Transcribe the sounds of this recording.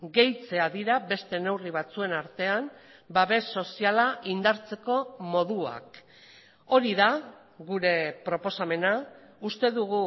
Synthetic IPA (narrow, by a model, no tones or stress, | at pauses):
ɡe̞jt͡se̞aðiɾabe̞st̪e̞ne̞wriβ̞at͡sue̞naɾt̪e̞ambaβe̞sːo̞sialaʔind̪aɾt͡se̞ko̞mo̞ðua̰k | o̞ɾiða | ɣuɾe̞pɾo̞po̞same̞na | ust̪e̞ðuɣu